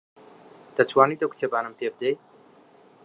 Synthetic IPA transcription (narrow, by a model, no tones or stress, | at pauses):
t̪ɐt͡ʃwaːnit̪oku̥t̪ʰebaːnɨmpeb̚d̪ej